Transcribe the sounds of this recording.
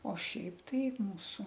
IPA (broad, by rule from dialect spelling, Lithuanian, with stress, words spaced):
oː ˈʃʲɛɪp ˈtɐɪ ˈmuːsʊ